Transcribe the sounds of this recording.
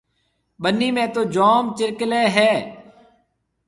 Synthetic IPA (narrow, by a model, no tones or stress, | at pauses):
ɓənːiːmẽːt̪oːd͡ʒoːmt͡ʃɪɾkleːɦɛː